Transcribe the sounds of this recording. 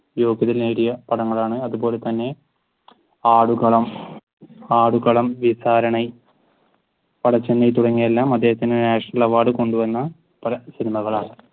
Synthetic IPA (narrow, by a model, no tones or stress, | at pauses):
jo̞ːɡjɐðɐlneːɽijɐpɐɽɐŋːɐɭaːɳɨɐðubo̞ːle̞t̪ɐnːe̞ | aːɽukɐɭɐm | aːɽukɐɭɐmʋisaːɾɐɳɐj | pɐɽɐt͡ɕːenːɐjt̪uɽɐŋːijelːaːmɐd̪ːe̞ːɦɐt̪ːindenaːʂɐnɐlɭɐʋaːɽɨko̞ɳɖuʋɐnːɐ | pɐlɐsinimɐɣɐɭaːɳɨ